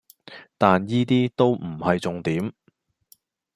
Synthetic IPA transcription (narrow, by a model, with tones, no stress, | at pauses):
t̪aː˨njiː˥t̪iː˥t̪o˥wm̩˨˩hɐ˨jt͡sʊ˨ŋt̪iː˨˥m